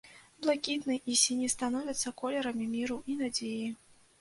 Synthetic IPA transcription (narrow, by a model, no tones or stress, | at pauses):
blˠakʲit̪nɨʔisʲinʲist̪anɔvʲɐt̪sːɐkɔlʲɛɾɐmʲimʲiɾuinad͡zʲeji